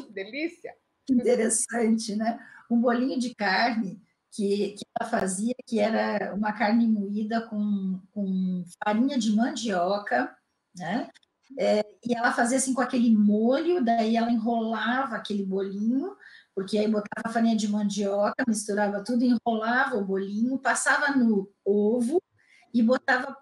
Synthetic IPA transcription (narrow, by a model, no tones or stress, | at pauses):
d̪elisiɐ | ĩt̪eɾesɐ̃t͡ʃɪnɛũbolĩɲʊd͡ʒɪkaɾnɪ | kɪkɪɛlɐfaziɐkɪɛɾɐṵ̃mɐkaɾnɪimuid̪ɐkõkõfaɾĩɲɐd͡ʒɪmɐ̃d͡ʒiɔkɐ | nɛ | ɛɪɛlɐfaziɐasĩkõakelɪmoʎʊd̪aiɛlɐẽɦolavɐːkelɪbolĩɲʊpoɾkeaibot̪avɐfaɾĩɲɐd͡ʒɪmɐ̃d͡ʒiɔkɐmist̪uɾavɐt̪ud̪ʊẽholavɐʊbolĩɲʊpasavɐnʊovʊ | ɪbot̪avɐ